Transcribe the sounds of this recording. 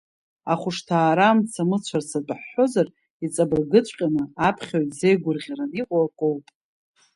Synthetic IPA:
aχʷʊʂtʰaːɾamt͡sʰamɨt͡ɕʷʰarsʰadʼħːo̞zar | it͡sʼabɨrɡɨt͡sʷʼqʲʼanɨapʰχʲaɥtʼze̞jɡʷʊrʁʲaraniqʷʼaakʷʼowpʼ

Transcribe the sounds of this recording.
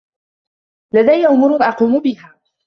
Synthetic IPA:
lad̪ajːaʔʊmʊːɾʊnʔɑquːmʊbɪhaː

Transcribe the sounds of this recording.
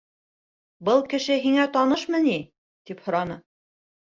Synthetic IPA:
bɤlˠkɘ̆ʃɘɦiŋæt̪ɑnɤʃmɤni | t̪iphŏɾɑnɤ

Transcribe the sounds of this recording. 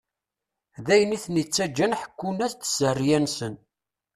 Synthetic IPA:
ðæjəniθnit͡sːæd͡ʒːænħə̥kːunæst̪ə̥sərːjænsən

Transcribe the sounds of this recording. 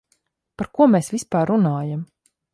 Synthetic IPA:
paɾkuɔmeːsvispaːɾːunaːjam

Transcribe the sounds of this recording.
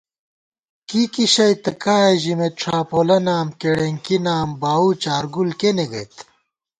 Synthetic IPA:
kikiɕɐjt̪ɐkaːeʑimeʈ͡ʂʰaːpoːlɐnaːmkeɽeŋkinaːmbaːut͡ɕaːɾɡulkeneɡɐ̰jt̪

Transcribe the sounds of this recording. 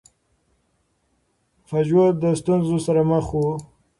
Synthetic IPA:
fad͡ʒwad̪əst̪unzosaɾaməxu

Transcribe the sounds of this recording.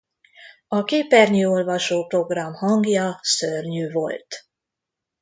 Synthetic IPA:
ɒkeːpɛrɲyo̞lvɒʃoːpro̞ɡrɒmhɒŋɡjɒsørɲyːvo̞̰lt̪

